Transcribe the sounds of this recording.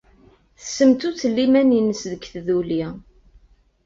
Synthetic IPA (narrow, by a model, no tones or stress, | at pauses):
θəsəmt̪ut͡sːəlːimæninəsðəkθðuli